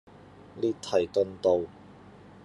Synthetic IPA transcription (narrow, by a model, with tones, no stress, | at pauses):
liː˥t̪ʰːɐ˨˩jk̪ɵ˧nt̪o˨˧w